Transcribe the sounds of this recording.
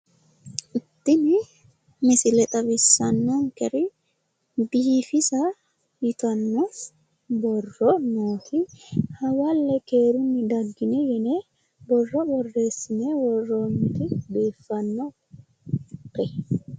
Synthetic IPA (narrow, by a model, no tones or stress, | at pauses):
ʔɪt̪ːɪnɪ | mɪsɪlɛt̪ʼɐbɪsːɐnːɐŋkɛɾɪ | biːfɪsɐ | jɪt̪ɐnːo | bɔrːɔnoːt̪ʰɪhɐwalːɛkeːɾʊnːɪd̪ɐɡːɪnɛjɛneː | bɔrːɔbɔrːe̞ːsːɪneːwɔrːoːmːɪt̪ɪbeːfːɐnːɔ | tɛ